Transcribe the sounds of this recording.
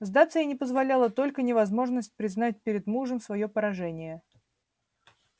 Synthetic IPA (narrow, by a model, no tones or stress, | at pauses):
zd̪at̪sɨjənʲɪpəzvɐlʲalˠət̪o̞lʲkənʲɪvɐzmo̞ʐnəsʲt̚ʲpɾʲɪznat̚ʲpʲɪɾʲɪd̪muʐəmsvɐjo̞pəɾɐʐɛnʲɪjə